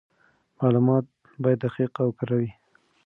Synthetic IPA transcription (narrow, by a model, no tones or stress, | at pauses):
mɑlumɑt̪̚ | bɑjad̪axiqawkaɾawi